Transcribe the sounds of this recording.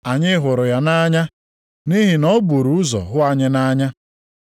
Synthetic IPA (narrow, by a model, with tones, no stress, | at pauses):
a˨ɲɪ˦ɦʊ˨ɾʊ˨ja˦na˦ɲa˦ | ni˦ɦi˨nɔ˦bu˨ɾu˨ʊ˦zɔ̰˨ɦʊ˦a˨ɲɪ˦na˦ɲa˦